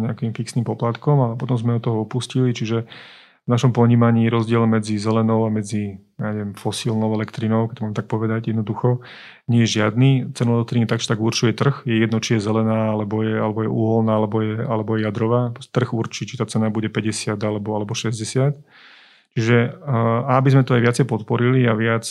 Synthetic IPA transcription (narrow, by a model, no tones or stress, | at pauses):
ɲɛakimfiksnimpɔplat̪kɔmalɛpɔt̪ɔmzmɛɔt̪ɔɦɔɔpuscilit͡ʃiʒɛ | vnaʃɔmpɔɲiːmaɲiːɾɔzɟɪɛlmɛd͡zizɛlɛnɔʊamɛd͡zijaɲɛʋɛmfɔsilnɔʊɛlɛkt̪ɾinɔʊkɛc̚t̪ɔmamɛt̪ak̚pɔʋɛd̪aɟjɛd̪nɔd̪uxɔ | ɲɛjɛʒɪad̪niːt͡sɛnuɛlɛk̚t̪ɾinit̪aɡʒɛt̪aɡuɾt͡ʃujɛt̪r̩xjɛjɛd̪nɔt͡ʃijɛzɛlɛnaːalɛbɔjɛalɛbɔjɛʔuːɦɔlnaːalɛbɔjɛalɛbɔjɛjad̪ɾɔʋaːt̪r̩ɣuɾt͡ʃiːt͡ʃit̪aːt͡sɛnabuɟɛpɛɟɛsɪad̪alɛbɔalɛbɔʃɛzɟɛsɪat̪ | t͡ʃiʒɛaabizmɛt̪ɔajʋɪat͡sɛjpɔt̪pɔɾiliaʋɪat͡s